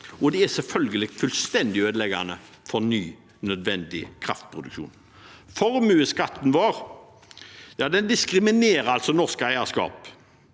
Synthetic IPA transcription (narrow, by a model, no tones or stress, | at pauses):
ʔɔd̪ɛæsɛlfœlɡəlɪɡ̪fʉlst̪ɛnd̪ɪøːd̪əlɛɡa̰nə | fɔɾnyː | nœd̪ʋɛnd̪ɪkʰɾɑ̰ft̪̚pʰʁʊd̪ʉkʃṵːn | fɔɾmʉːəskɑt̪ːn̩ʋɑːɾ | jɑːd̪ɛnd̪ɪskɾɪmɪneːɾəɑlsɔnɔʁskəæɪɑskɑ̰ːp